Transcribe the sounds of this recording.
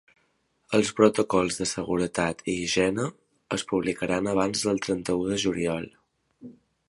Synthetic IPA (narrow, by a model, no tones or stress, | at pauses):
əlˠspɾot̪okɔlˠzðəsəɣuɾət̪at̪ʰiʒɛnə | əspuβ̞likəɾanəβ̞anzðəlˠt̪ɾənt̪əuðəʒuliɔlˠ